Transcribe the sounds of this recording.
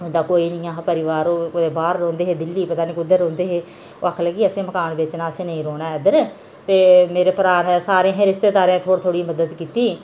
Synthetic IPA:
ɦʊ̃nd̪aːkoːiːnĩːãːɦpəɾɪʋaːɾoːkd̪eːbaːɾːõːnd̪eːɦeːd̪ɪlːiːpət̪aːniːkʊd̪əɾõːnd̪eːɦeː | o̰ːakʰləːɡiːəsẽːməkaːnʋɪt͡ʃnãːsẽːnəĩːɾoːnaːɛd̪əɾ | t̪eːmeːɾeːpəɾaːnsaːɾẽːɦẽɾɪst̪eːt̪aːɾẽːt̪ʰoːɽt̪ʰoːɽiːməd̪əd̪kiːt̪iː

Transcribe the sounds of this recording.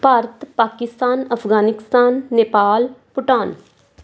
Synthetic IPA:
paːɾət̪paːkɪst̪aːnəpʰɡaːnɪkst̪aːnːeːpaːlpʊʈaːn

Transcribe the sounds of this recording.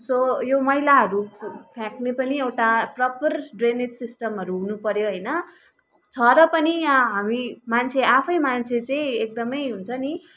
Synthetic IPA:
sojomʌilaɦʌɾupʰjãknepʌniewʈaprʌpʌrɖrenet̪sisʈʌmɦʌɾuɦunupʌɾjoɦʌjnʌ | t͡sʰʌɾʌpʌniɦamimant͡sʰeʔapʰʌjmant͡sʰet͡sãĩek̚d̪ʌmʌjɦunt͡sʰʌni

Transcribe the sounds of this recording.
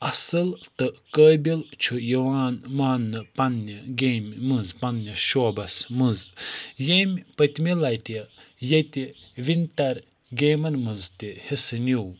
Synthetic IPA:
ɐsɨlt̪ɨkəːjbʲilt͡ʃʰujiwaːnmaːnːɨpɐnːiɡeːmʲmɨzpɐnːiʃoːbɐsmɨzjemʲpɐt̪milɐjt̪ijɐjt̪iʋinʲt̪ɐɾ | ɡeːmɐɾmɨzt̪ihisɨnʲiw

